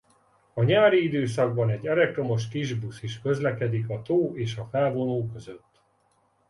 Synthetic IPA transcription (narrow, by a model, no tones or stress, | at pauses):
ɒɲaːɾiid̪øːsɒɡbɒnɛɟːɛlɛk̚t̪ro̞mo̞ʃkiʒbusiʃkø̞zlɛkɛd̪ikɒt̪oːeːʃɒfɛlvo̞noːkø̞zøt̪ː